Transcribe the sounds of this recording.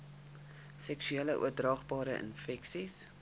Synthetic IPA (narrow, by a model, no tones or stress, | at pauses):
sɛksyeːləʔṵərdrɑːχbɑːɾəʔə̰nfɛksis